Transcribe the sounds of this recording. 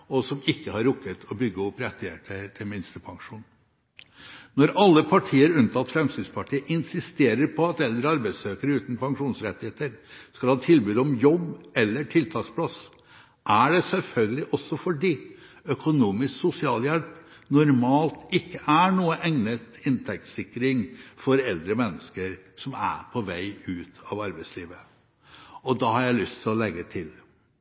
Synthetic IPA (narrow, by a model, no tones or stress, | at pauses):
ɔsɔmɪkːəhɑɾʊkːət̪ʰɔbʏɡːəɔpɾɛt̪ːɪæ̰ʈət̪ʰɪlmɪnst̪əpʰɑŋʂuːn | nɔɾʔɑlːəpʰɑʈʰiːəɾʉnt̪ʰɑlt̪fɾɛmsɪd̪spʰɑʈʰiːəʔɪnsɪst̪eːɾəɾpʰɔɑt̪ɛld̪ɾəɑɾbæɪd̪søːkəɾəʉːt̪n̩pʰɑŋʂuːnsɾɛt̪ːɪheːt̪əɾskɑlhɑːt̪ʰɪlbyːd̪ɔmjɔbɛlːəʈʰɪlt̪ʰɑːkspʰlɑs | ʔæɖɛsɛlfœlɡəlɪʔɔsːɔfɔɖiː | œkʊnuːmɪsksʊsɪɑːljɛlp | nʊɾmɑːlt̪ɪkːəʔæɳuːəʔɛŋnət̪ɪnt̪ʰɛk̚t̪sɪkːɾɪŋfɔɾɛld̪ɾəmɛnːəskəɾsɔmæ̰ɾpʰɔʋæɪʉːt̪ʰɑʋɑɾbæɪsliːʋə | ɔd̪ɑhɑɾjæɪlʏst̪ʰɪlɔlɛɡːət̪ʰɪl